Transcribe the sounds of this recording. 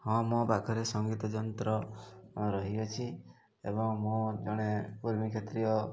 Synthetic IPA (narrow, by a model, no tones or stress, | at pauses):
hɔ̃mɔbakʰɔɾesɔŋɡit̪ɔd͡ʒɔnt̪ɾɔ | ɾɔɦiɔt͡ʃʰi | ḛbɔŋmɔd͡ʒɔɽ̃ekuɾmikʰet̪ɾiɔ